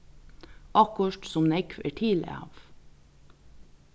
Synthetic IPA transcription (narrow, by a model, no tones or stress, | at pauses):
ʔɑkʊʃʈsɔmnɛkfḛːʈʰiːl̰ɑ̰ːʋ